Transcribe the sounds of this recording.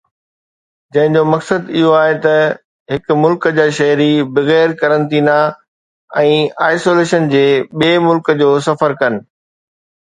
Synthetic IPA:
d͡ʑɐ̃ɦɪ̃ɲd͡ʑomɐksəd̪ɪɦoaːɦet̪ɐ | ɦɪkʊ̆mʊlkd͡ʑaːʃɐɦɾibɐɣɛːɾkɐɾə̃nt̪iːna | ɛ̃ːaːɪsoːleːʃənd͡ʑeːɓeːmʊlkəd͡ʑoːs̬ɐfəɾkɐnɪ̆

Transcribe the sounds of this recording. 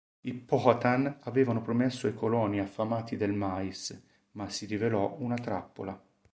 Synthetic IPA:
ipɔhat̪anavɛːvanopɾomɛsːoikolɔːniafːamaːt̪id̪elmais | masːiɾivelɔunat̪ɾa̰pːo̰la

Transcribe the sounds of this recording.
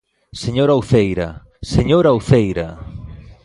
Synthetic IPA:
seɲoɾawθejɾɐ̰ | seɲoɾawθejɾɐ

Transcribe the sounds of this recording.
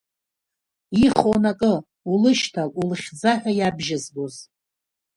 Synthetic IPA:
iχonakʼɨ | ulɨʃtʰalulɨχʲd͡zaħʷᶣajabʒɪzboz

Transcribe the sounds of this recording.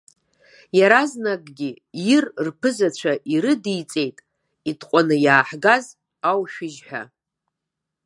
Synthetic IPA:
jaɾaznakʼɡʲi | jirrpʰɨzat͡ɕʷʰaʔiɾɨdijt͡sʼe̞jtʼ | itʰqʷʼanɨjaːħɡaz | awʃᶣɪʒħᶣa̰

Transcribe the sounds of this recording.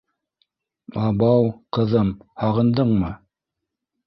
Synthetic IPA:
ɑbɑwqɤ̆ðɤmhɑʁɤ̆nd̪ɤɴmɤ

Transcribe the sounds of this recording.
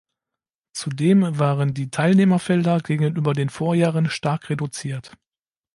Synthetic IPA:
t͡sudeːmvaːʁəndiːtʰaɪlneːmɐfɛldɐɡeːɡŋ̩nʔyːbɐdeːnfoːɐjaːʁənʃtaɐkʁedut͡siːɐt

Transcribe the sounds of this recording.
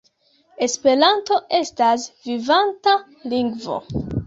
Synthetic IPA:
e̞spe̞ɾanto̞ʔe̞stasvivanta | liŋɡvo̞̰

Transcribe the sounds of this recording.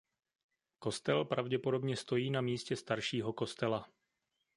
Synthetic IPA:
ko̞st̪ɛlpɾavɟɛpo̞do̞bɲɛst̪o̞jiːnamiːscɛst̪aɾʃiːɦo̞ko̞st̪ɛla

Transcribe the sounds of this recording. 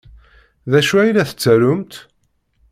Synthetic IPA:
ðæʃuæjlæθə̥t͡sːæɾʊmt̪

